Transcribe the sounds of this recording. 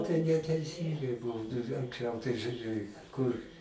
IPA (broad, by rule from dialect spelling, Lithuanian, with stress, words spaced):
tɐɪ nʲɛtʲɛɪˈsʲiːŋɡɐɪ ˈbuːnɐ ɐŋksʲˈt͡ʃʲɛʊ tɐɪ ʒʊˈrʲeːj kʊr